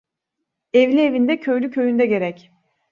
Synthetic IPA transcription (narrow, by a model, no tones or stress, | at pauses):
evlʲievind̪ɛcʰø̞jlʲycʰø̞jynd̪ɛɟe̞ɾɛc